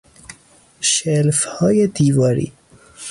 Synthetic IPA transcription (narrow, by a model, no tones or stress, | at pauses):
ʃɛlfhɔːjed̪iːvɑːɾḭː